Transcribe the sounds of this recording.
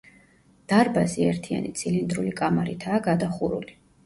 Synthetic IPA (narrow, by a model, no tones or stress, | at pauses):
d̪̥aɾbaziɛɾt̪ʰia̰nit̪sʼilind̪ɾulikʼamaɾit̪ʰaːɡad̪aχuɾṵli